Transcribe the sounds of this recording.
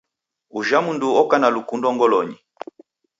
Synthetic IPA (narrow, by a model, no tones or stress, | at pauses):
uʒamunduɔkanalukundɔŋɡɔlɔɲi